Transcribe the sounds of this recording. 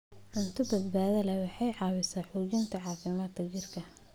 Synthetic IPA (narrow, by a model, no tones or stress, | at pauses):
ʕʊnt̪ʰʊbɐd̪baːðɐlɛwɑħɑjʕɑːwɪsaːħujɪnt̪ʰɐʕɑːfɪmaːd̪kʰɐd͡ʒɪrkʰɐ